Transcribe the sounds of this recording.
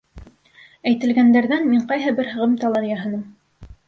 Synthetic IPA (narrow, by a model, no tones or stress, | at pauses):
æjt̪ɘ̆lɡænd̪æɾðænmiɴqɑjɦɤbɘɾɦɤ̆ʁɤmt̪ɑlˠɑɾijɑɦɤ̆nɤm